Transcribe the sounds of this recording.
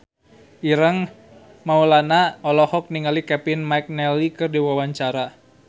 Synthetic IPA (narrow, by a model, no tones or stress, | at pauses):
ʔiɾəŋ | maulanaɔlɔhɔk̚niŋalikɛpinmajk̚nɛlikɨrdiwawaɲt͡ʃaɾa